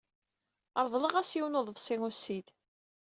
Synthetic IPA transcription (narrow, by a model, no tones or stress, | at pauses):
əɾˤðˤləʁæsjiwnoðˤəvsˤɪŋusid̪